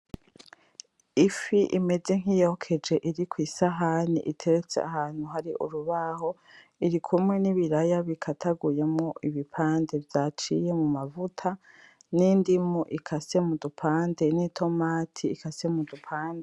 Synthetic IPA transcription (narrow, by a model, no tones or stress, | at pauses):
ifiʔḭme̞ze̞ŋ̥ijo̞kʰe̞d͡ʒe̞ʔiɾikwiːsaɦanḭʔitʰe̞ɾet͡sḛa̰ɦaːn̥huɦaɾiʔṵɾuβaho̞ | iɾikʰumŋe̞niβiɾajaβikʰatʰaɡuje̞mŋo̞ʔiβipʰaːnde̞vjat͡ʃije̞mumavutʰa | nindimuʔikʰase̞mudupʰaːnde̞nitʰo̞maːtʰiːkʰase̞mudupʰaːnde